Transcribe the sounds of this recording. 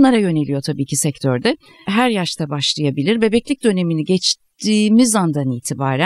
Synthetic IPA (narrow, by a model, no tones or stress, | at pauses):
nlˠaɾajø̞ne̞lʲijo̞t̪ʰabiːcʰisɛct̪ʰøɾd̪ɛ | ɦæɾjaʃt̪ʰabaʃlˠɯjabilʲiɾbe̞bɛclʲic̚d̪ø̞ne̞miniɟɛt͡ʃt̪ʰiːmizand̪aniːt̪ʰibaːɾæ